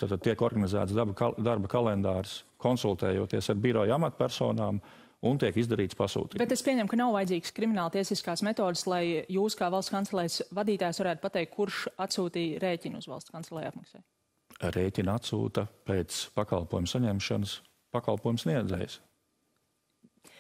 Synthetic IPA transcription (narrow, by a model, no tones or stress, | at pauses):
t̪aːt̪ad̪̚t̪iɛkɔɾɡanizæ̰ːt̪sbd̪aɾbəkalˠɛnd̪aːɾskʰɔnsulˠt̪ɛːjuɔːt̪iɛsaɾbiɾɔjamat̪pʲæɾsɔːnaːm | unt̪iɛkizd̪aɾiːt̪spasṵːt̪iːbet̪espiɛɲɛmkanawvajd̪ziːkskɾimʲinaːlˠt̪iɛsiskaːsmɛt̪ɔːd̪slˠajjuːskaːvalˠst̪skant̪sɛlˠɛːjsvad̪iːt̪aːjsʋaɾæːt̪̚pat̪ɛːjkʰːuɾʃat̪suːt̪iːɾejcʲinṵzvalˠst̪kansɛlˠɛja̰p̪mɐksɛ̰j | ɾeːcʲinat̪sṵːt̪ɐpet̪spaka̰lˠpoɔːjumsaɲɛmʃanəs | pakalˠpuɔːjumsniɛd̪zɛ̰js